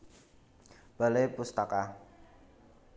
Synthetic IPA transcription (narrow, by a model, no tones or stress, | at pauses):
b̥alejpust̪aka